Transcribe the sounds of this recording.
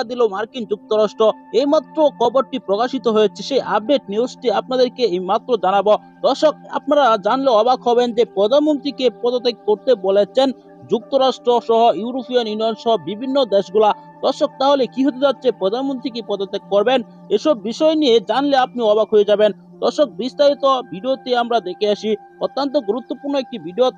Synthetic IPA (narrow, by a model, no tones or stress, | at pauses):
ad̪ilomaɾkind͡ʑuk̚t̪oɾaʃʈɾoejmat̪ːɾokʰɔboɾʈipɾokaʃit̪oɦoet͡ɕʰeʃejʔab̚ɖeʈ̚niuʃʈiap̚nad̪eɾkeemat̪ːɾod͡ʑanabo | d̪̥ɔɾʃok̚a̰p̚naɾad͡ʑanleɔbakɦɔbend͡ʑepɾɔd̪ʱanmont̪ɾikepɾɔd̪ot̪ːekkoɾt̪ebolet͡ɕʰen | d͡ʑuk̚t̪oɾaʃʈɾoʃɔɦojuɾupionunɔjonʃɔɦobibʱinːod̪eʃɡula | d̪̥ɔɾʃok̚t̪aɦolekiɦot̪ed͡ʑatːt͡ɕʰepɾɔd̪ʱanmont̪ɾikepɔd̪ot̪ːekːɔɾben | eʃɔbːiʃɔenijed͡ʑanleap̚niɔbakɦojed͡ʑaben | d̪̥ɔɾʃok̚bist̪aɾit̪obiɖiot̪eamɾad̪ekʰeaʃi | ot̪ːant̪̬oɡuɾut̪ːopuɾnoek̚ʈibʱiɖio